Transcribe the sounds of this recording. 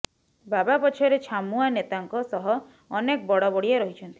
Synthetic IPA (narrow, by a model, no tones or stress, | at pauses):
babapɔt͡ʃʰɔɾet͡ʃʰamuanet̪aŋkɔsɔɦɔː | nekɔbɔɽɔbɔɽijaɾɔɦit͡ʃʰɔnt̪ʰi̥